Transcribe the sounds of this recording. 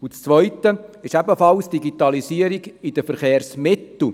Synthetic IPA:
ʊt͡st͡svʋœʏtəɪʃɛbəfɑlsd̥iɡit̪ɑlisiːəɾiɡɪd̥əfəɾχeːɾsmɪtl̩

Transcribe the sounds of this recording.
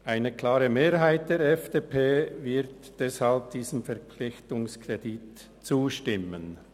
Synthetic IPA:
ʔaɪnəkl̥aːɾəmeːʁɦaɪt̚d̥eːɾɛfd̥eːpʰeːvɪʁt | d̥ɛshalp̚d̥iːzəmfɛʁp͡flɪçtʊŋskʁ̥edit | t͡suːʃtɪmən

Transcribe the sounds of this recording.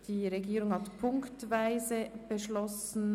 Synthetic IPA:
d̥iːʁeɡiːɾʊŋhɑtpʰʊŋktvaɪzəb̥əʃlɔsn̩

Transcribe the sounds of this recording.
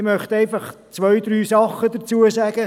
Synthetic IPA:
mœχt̪ɛɪfɑχ | t͡sʋœjd̪ɾyːsɑχːəd̥̪ət͡suəsæɡ̥ə

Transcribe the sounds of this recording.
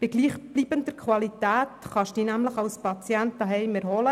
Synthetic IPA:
b̥ɪɡliːχb̥liːbənd̪əɾkʰχwɑlit̪æːt̪χɑʃd̥iːnæmləχɑlspɑt͡sjænt̪ɑɦɛɪmɛɾɦɔlə

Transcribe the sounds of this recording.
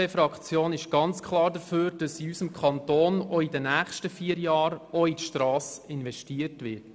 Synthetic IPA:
efɾɑkχt͡sjoːnɪʃɡ̥ɑnt͡skʰχlˠɑːɾdəføːɾd̥ɑsiysəmkʰχɑntoːnɔidənæːχʃtəfiːəɾjɑːɾɔitʃtrɑːsɪnʋɛʃtiːəɾtʋɪt

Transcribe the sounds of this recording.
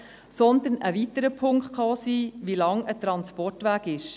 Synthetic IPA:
sɔnd̪ənʔəʋit̪əɾəpʰʊŋktkʰɑsiːʋilɑŋət̪ɾɑnspɔrtʋæːɡɪʃ

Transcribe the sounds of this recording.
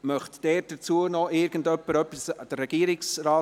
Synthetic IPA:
mœχtd̥ɛːt̚d̥ət͡suənɔʔɪɾɡ̥ən̩dœpːəɾœpːisd̥ərːɛɡ̥iːəɾɪksraː

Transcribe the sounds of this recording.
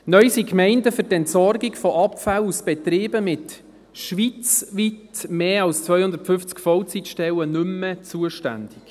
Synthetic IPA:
nœʏsikmɛɪndəfʏɾtɛntsɔɾɡɪkfɔʔɑpfalusb̥ɛtɾiːbəmɪt | ʃʋit͡svitmeːɑlst͡svœʏjhʊnd̪əɾtfʏft͡skfɔwt͡sitʃtɛwənʏmət͡suəʃtæ̰nd̥ɪk

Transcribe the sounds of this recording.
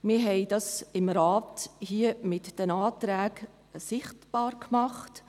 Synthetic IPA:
mɪɾɦɛɪd̥ɑsɪmɾaːthiəmɪtd̥ɛnɑːtɾɛːɡ̥ | sɪχtb̥ɑːɾkmɑχt

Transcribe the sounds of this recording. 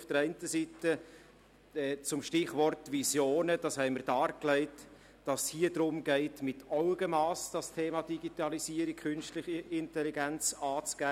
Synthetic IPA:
ʊfd̥əɾɛɪntəsitə | ɛːt͡sʊmʃtɪχvɔrtvisjoːnəd̥ɑshɛɪməɾdɑːɾklɛɪt | d̥ɑsshiːəd̥ɾʊmɡɛɪtmɪtɑʊɡ̥əmɑːsd̥ɑstʰeːmɑd̥iɡitɑlisiːəɾik̚kʰʏnʃtlɪχəʔɪntɛliɡɛnt͡sɑːt͡sɡ̥æː

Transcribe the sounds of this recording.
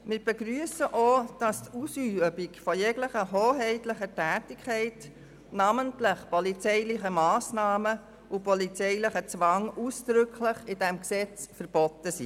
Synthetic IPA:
mɪːɾb̥ɛɡɾyːəsəʔod̥ɑstusyːbikfɔjɛɡləχəɦoːɦɛɪtləχətæːtɪkʰɛɪt | nɑməntlɪχpɔlit͡sɛɪlɪχəmɑːsnɑːmə | ʊpɔlit͡sɛɪlɪχət͡sʋɑŋʔusd̥ɾʏkʰlɪχɪdɛmksɛt͡sfəɾb̥ɔtəsi

